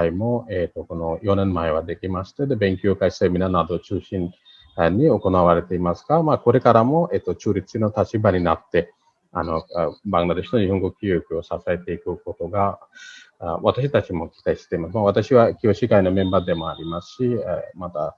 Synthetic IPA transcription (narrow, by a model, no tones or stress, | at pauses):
aimo̞et̪ːo̞ko̞no̞jo̞nẽ̞mːaeβ̞ad̪e̞kʲimaɕi̥t̪ed̪e̞bẽ̞ŋkʲookaii̥seɯmʲinanad̪o̞t͡ɕɨːɕĩn | aɲ̟ːio̞ko̞naβ̞aɾe̞t̪e̞imasɨ̥ɡamako̞ɾe̞kaɾamo̞et̪ːot͡ɕɨːɾʲit͡sɨ̥inot̪at͡ɕibaɲ̟inat̪ːe̞ | ano̞bãŋɡ̪ad̪e̞ɕi̥no̞ɲiho̞ŋɡo̞kʲiokɯ̟osasae̞t̪e̞ikɯ̟ko̞t̪o̞ɡa | βat̪aɕ̬it̪at͡ɕimo̞kʲi̥t̪aiɕi̥t̪e̞imasɨmaβat̪aɕiβakʲio̞ɕiɡaino̞mẽ̞mbad̪e̞mo̞aɾʲimasɨ̥ɕimat̪a